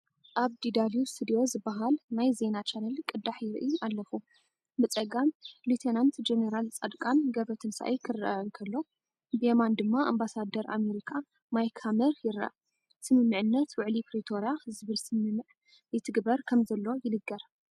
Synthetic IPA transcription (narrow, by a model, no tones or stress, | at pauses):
ʔaβd̪id̪aljust̪ʰɨd̪iozɨbːaɦalnajze̞nat͡ʃʰanɐlkʼɨd̪aħjɪɾɨ̰ʔialːɐfu | bɨt͡sʼɐɡamlut̪ʰenant̪d͡ʒeneɾalt͡sʼɐd̪kʼanɡɐβɾɐt̪ʰɨnsa̰ʔḛjkʰɨrɐ̰ʔankʰɐlːo̞ | bemand̪ɨmːaʔambasad̪ːɐɾʔa̰me̞ɾikʰa | majkʰhamɐɾjɪɾɐ̰ʔa | sɨmɨmːɨʕɨnːɐt̪wʊʕlipɾit̪ʰo̞ɾjazɨβɨlsɨmɨmɨʕ | jɨt̪ʰɨɡbɐɾkʰɐmzɐlːo̞jɪnɨɡːɐɾ